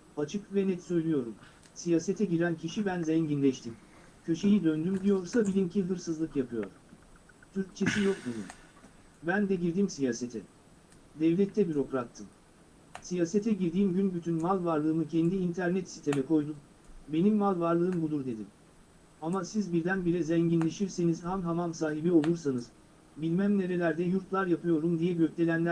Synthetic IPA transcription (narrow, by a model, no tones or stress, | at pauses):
at͡ʃʰɯkvɛnɛt̪sø̞jlʲijo̞ɾum | sijaːset̪ʰɛɟiɾæncʰiʃibænzɛɲɟinlʲɛʃt̪ʰim | cʰø̞ʃe̞jid̪ønd̪ymd̪ijo̞ɾsabilʲimcʰiɦɯɾsɯzlˠɯkjapʰɯjo̞̰ɾ̥ | t̪ʰyɾc̚t͡ʃʰe̞sijo̞kd̪ed̪im | bænd̪ɛɟiɾd̪imsijaːset̪ʰɛ | d̪ɛvlʲɛt̪ʰːɛbyɾo̞kɾat̪ʰːɯm | sijaːset̪ʰɛɟiɾd̪iːmɟynbyt̪ʰynmalˠvaɾlˠɯːmɯcʰɛnd̪iːnt̪ʰæɾnɛt̪si̥t̪ʰemɛkʰo̞jd̪um | be̞nimːalˠvaɾlˠɯːmbud̪uɾd̪e̞d̪im | amasizbiɾd̪ænbiɾɛzɛɲɟinlʲe̞ʃiɾse̞nizhanɦamamsaːɦibio̞lˠuɾsanɯz̥ | bilʲmæmne̞ɾe̞lʲæɾd̪ɛjuɾt̪lˠaɾjapʰɯjo̞ɾumd̪ijɛɟøclʲe̞lʲænlʲæɾ